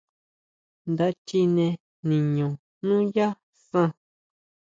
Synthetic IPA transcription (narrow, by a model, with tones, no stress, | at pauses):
nd̪a˧t͡ʃi˧nẽ˧ | nĩ˨ɲõ˨ | nũ˦ja˦ | sã˧